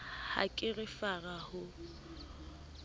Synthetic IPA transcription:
ha̰kʼɪrɪfarahʊ

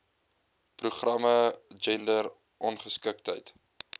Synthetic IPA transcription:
pruχrɐməd͡ʒɛndər | ʔɔnχəskək̚təjt

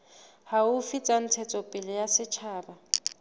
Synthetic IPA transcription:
haʊfit͡sʼan̩t͡sʰɛt͡sʼɔpʼɪlɪjasɪt͡ʃʰaːba

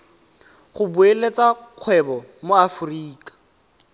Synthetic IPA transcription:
χʊbuelet͡sʼaq͡χʰwɛbɔmoafʊriːkʼḁ

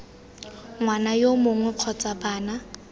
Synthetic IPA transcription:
ŋwanajomʊŋwɛq͡χʰɔt͡sʼabaːna

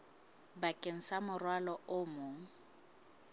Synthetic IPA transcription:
bakʼeŋ̩samʊrwalɔʔʊmʊːŋ̩

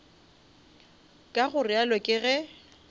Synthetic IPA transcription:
kʼaɣʊrɪalɔkʼɪɣɛ

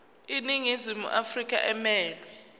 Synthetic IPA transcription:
iniŋizimṵʔafrik̬ʼa̰ʔɛmɛːlwɛ

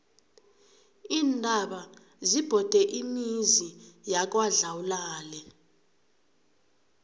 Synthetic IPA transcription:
iːndʱaɓa | zib̥ʱɔd̥ʱɛʔimizijak̬waɮawulaːlɛ

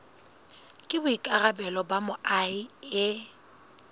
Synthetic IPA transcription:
kʼɪbʊikʼarabɛlɔbamʊʔaiɪ

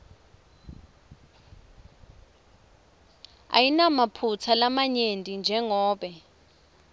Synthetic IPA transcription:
a̰jinamapʰut͡sʰalamaɲentʼind͡ʒʱɛŋɔːɓɛ

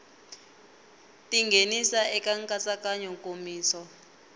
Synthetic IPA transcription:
tʼiŋɡʱenisaɛkaŋkʼat͡sakaɲɔŋkʼomiːsɔ

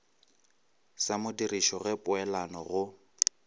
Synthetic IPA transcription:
samʊdiriʃɔɣɛpʼʊɛlanɔɣʊ

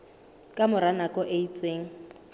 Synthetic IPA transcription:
kʼamʊɾanakʼɔʔeit͡sʼeːŋ̩

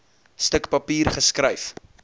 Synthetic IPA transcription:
stəkpɐpiːrχəskrəjf

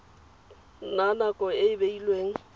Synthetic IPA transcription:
nanakʼɔɪɪbeilweːŋ̩

